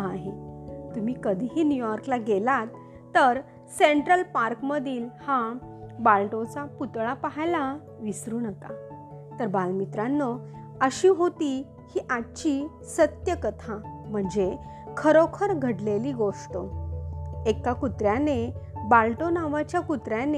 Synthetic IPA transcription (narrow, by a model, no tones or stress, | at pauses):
aɦet̪um̤iːkəd̪ʱiɦiːnjujɔɾklaɡelat̪ː | əɾ | seɳʈɾəlpaɾkməd̪ʱiːlhãbalʈot͡saput̪ɭapaɦjla | ʋisɾuːnəka̰ | t̪əɾbalmit̪ɾanːɔ | əɕiɦot̪iː | hiːʔaɕiː | sət̪jəkət̪ʰãm̤əɳd͡ze | kʰəɾokʰəɾɡʱəɽleliːɡoʂʈə | ekakut̪ɾjanebalʈonaʋat͡ɕjakut̪ɾjane